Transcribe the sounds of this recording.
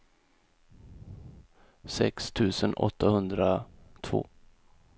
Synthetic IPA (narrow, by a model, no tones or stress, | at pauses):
sɛ̰kst̪ʰʉ̟ːsənʔɔ̰t̪ʰːahɵnd̪ɾat̪ʰvo̰ː